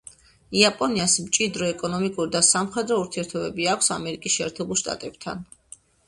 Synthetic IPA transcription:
iapʼɔniasmt͡ʃʼid̪ɾɔɛkʼɔnɔmikʼuɾid̪asamχwɛd̪ɾɔuɾt̪ʰiɛɾt̪ʰɔbɛbiakʷʰsamɛɾikʼisʃɛɛːɾt̪ʰɛbulˠʃt̪ʼa̰t̪ʼɛb̚t̪ʰa̰n

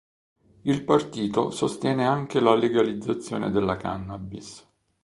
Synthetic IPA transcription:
ilpart̪iːt̪osost̪jɛːneaŋk̟elaleɡalid̪zːat̪sːjo̰ːnḛd̪elːaka̰nːabis

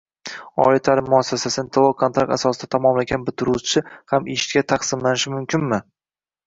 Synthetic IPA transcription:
ɒ̰ɪt̪ʰalɪmːʊasːasasɪnɪt̪ʰolˠokʰont̪ɾak̚t̪asɒsɪd̪at̪ʰamɒmlaɡʲanbɪt̪ʰɪɾut͡ʃʰɪhameʃɪ̥t̪kʲat̪ʰaqsɪmlanɪʃɪmʊmkʲʰɪnmɪ

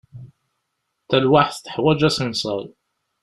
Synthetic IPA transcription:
t̪ːælwaħθt̪ə̥ħwæd͡ʒæsinsˤɑ̰lˤ

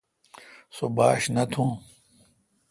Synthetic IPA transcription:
soba̰ːɕnɐt̪ʰũː

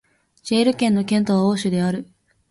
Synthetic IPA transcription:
d͡ʑeːɾɯ̟kẽnːo̞kʲẽ̞nt̪o̞βaoːɕɨd̪e̞aɾɯ̟

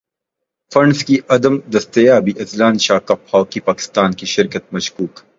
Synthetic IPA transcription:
fɐɳɖskiɐd̪ɐmd̪ɐst̪ɐjaːbiʔɐt̪laːnʃaːkɐphaːwkipaːkɪ̥st̪aːnkiʃɪɾkət̪̚mɐʃkuːk

